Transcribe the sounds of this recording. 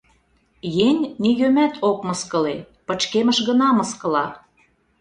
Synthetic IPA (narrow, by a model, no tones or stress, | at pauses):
jenʲnijømæt̪ʰok̚mɤskə̆le | pə̆t͡ɕkemə̆ʃɣə̆nɑmɤskɤ̆lɑ